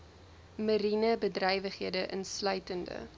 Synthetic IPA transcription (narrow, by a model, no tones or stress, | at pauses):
məɾinəbədrɛjvəχiədəʔənslœɥtəndə̰